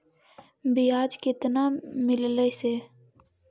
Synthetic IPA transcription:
biaːd͡ʒkɪt̪namɪlləseː

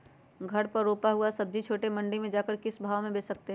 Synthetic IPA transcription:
ɡʱɐɾpɐɾːoːpaɦuasɐb̚d͡ʒit͡ʃʰoːʈemɐ̃ɳɖimẽd͡ʒaːkəɾkɪsbʱaːʋmẽbeːsɐk̚t̪eɦ

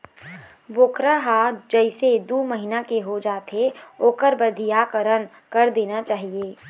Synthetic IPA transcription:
boːkɾaɦad͡ʒəɪsed̪uːməɦɪnakeɦod͡ʒaːt̪ɦeoːkəɾbəd̪ʱijakəɾən | kəɾd̪eːnat͡ʃaːɦieː

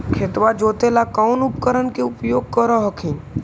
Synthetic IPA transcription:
kʰet̪ʋad͡ʒot̪elakaunupkəɾənkeʊpjoːɡ̚kəɾəɦəkʰin

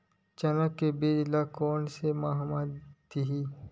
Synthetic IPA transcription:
t͡ʃɐnəkːebeːdlakɔːnsemaːɦmat̪iɦiː

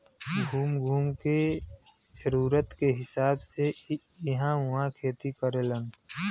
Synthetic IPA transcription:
ɡʱuːmɡʱuːmke | d͡ʒəɾuːɾət̪keɦɪsaːbse | jiɦãʋʊɦãkʰeːt̪ikəɾelən

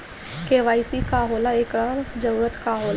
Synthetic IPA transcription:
keːʋaːisikaːɦoːlaeːkɾaːɾd͡ʒɐɾuːɾət̪kaːɦoːl

